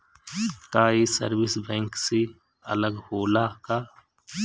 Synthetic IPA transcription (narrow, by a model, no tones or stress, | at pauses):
kaːisə̰ɾwɪsbɛ̃ːŋksi | ɐ̰ləɡhoːlaːkaː